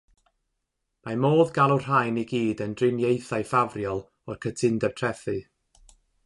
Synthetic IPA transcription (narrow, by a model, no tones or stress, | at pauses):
mamoːðɡalˠɔr̥ajniɡiːdəndrɪnjejθajfavrjɔlˠ | ɔrkʰətʰɪndɛb̥̚tʰrɛθɨ